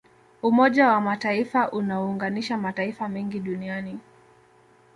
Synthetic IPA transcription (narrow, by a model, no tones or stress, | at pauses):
umɔʄawamataifaʔunaɔːŋɡaniʃamataifamɛŋɡiɗuniani